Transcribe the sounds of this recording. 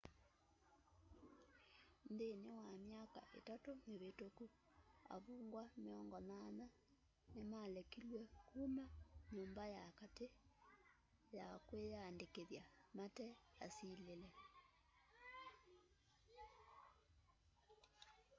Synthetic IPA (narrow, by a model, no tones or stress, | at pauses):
ndenewamjaka̰ʔḛtatoneβetoku | a̰βuːŋɡwameɔŋɡɔmana | nemalɛkilwɛkuːmaɲoːmbajakate | jakwejandekeðjamatɛasiːlelɛ